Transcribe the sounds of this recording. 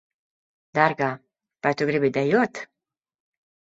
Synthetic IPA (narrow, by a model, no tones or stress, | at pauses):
d̪aɾɡa | b̥at̪ʰuɡɾibid̪ɛjɔt̪ʰ